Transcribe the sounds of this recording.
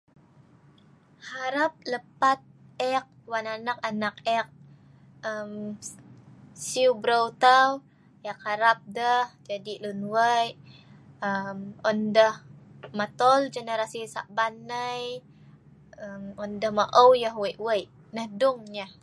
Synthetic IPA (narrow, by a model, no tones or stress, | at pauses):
haɾap̚ləpat̪̚ɛk̚wananakanak̚ɛk̚ | əm | siubɾəwt̪aw | jak̚haɾap̚dəhd͡ʒadilunwəjʔəmɔndəh | mat̪ɔld͡ʒənəɾasisa̰ʔbanəj | əmɔndəhmaʔəwjəɦwəjʔwəjʔ | nəhdʊŋɲəh